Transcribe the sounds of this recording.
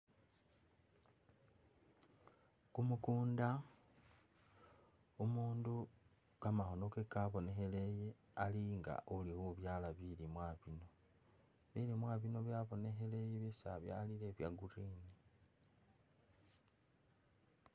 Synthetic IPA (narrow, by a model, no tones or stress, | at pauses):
kumukuːnda | umuːndu | kamaxo̞no̞kekaβo̞ne̞xe̞leje | aliŋɡa̰ʔulixuβjaːlaβilimwaβino̞ | βilimwaβino̞βjaβo̞ne̞xe̞lejeβesa̰βja̰lile̞βja̰ɡurini